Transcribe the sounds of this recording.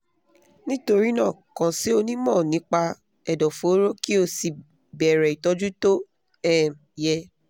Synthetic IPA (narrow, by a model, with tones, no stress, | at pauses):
nĩ˦to˧ɾi˦nãː˦˨kã˨si˦o˧nĩ˦mɔ̃ː˦˨nĩ˨˦k͡pa˧ | ɛ˨dɔ˨fo˨˦ɾo˦ki˦o˧si˨ | bɛ˨ɾɛ˨i˨tɔ˨˧d͡ʒu˦to˦ | ɛ˦˨ | jɛ˧